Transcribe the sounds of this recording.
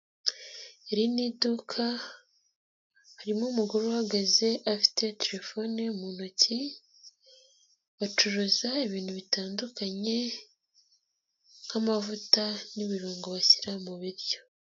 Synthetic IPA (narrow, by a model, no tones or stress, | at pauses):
eɾinidukʰa | haɾimomuɡoɾohaɡaze̞ʔafi̥te̞teɾe̞fo̞nemunoci | βat͡ʃuɾuzaiβiːn̥huβitaːndukaɲe̞ | n̥hamavutaniβiɾuːŋɡoβasiɾamuβiɾɟo̞